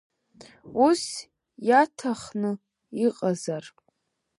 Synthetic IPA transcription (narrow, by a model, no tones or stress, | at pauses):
us | jatʰaχnɨ | iqʼazar